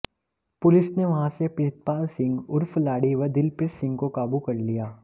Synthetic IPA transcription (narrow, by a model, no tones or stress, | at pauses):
pʊlɪsneʋɐɦãsepɪɾɪt̪̚paːlsɪ̃ŋɡʊɾfʰlaːɽiʋɐɾd̪ɪlpɪɾsɪ̃ŋɡkokaːbukɐɾlijaː